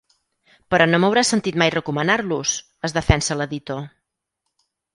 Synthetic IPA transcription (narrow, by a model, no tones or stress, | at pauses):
pəɾɔnoməwɾasənt̪it̪majrəkumənarlus | əzðəfɛnsələðit̪o